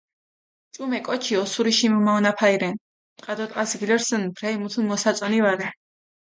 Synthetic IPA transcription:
t͡ʃʼumɛkʼɔt͡ʃʰiɔsuɾiʃimɔmaɔnapʰaiɾɛn | qʼad̪ɔt̪ʼqʼasɡilɛɾsənbɾaimut̪ʰunmɔsat̪sʼɔnivaɾɛ

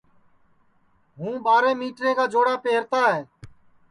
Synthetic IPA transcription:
ɦũːɓaːɾẽːmiːʈɾẽːkaːd͡ʒoːɽaːpeːɾt̪aːɦeː

